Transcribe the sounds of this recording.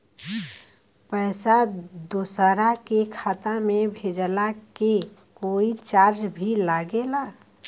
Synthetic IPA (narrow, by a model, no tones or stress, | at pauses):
pəjsad̪osəɾakekʰat̪amebʱed͡ʒlake | koit͡ʃaɾd͡ʒbʱilaɡela